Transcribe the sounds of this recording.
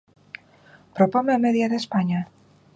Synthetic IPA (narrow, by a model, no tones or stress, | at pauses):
pɾopomeameðjaðespaɲa